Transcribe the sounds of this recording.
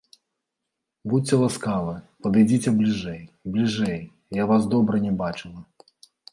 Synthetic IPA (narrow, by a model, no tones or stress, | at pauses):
but͡sʲːɛlˠaskavɨpɐd̪ɨjd͡zʲit͡sʲɛblʲiʐɛjblʲiʐɛj | javazd̪ɔbɾɐnʲɛbat͡ʂɨlˠɐ